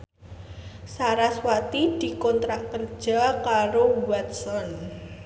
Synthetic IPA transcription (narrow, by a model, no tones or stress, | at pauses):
saɾaswat̪id̪̥i̤kɔnt̪ɾakərd̥ʒ̥akaɾowat̪sɔn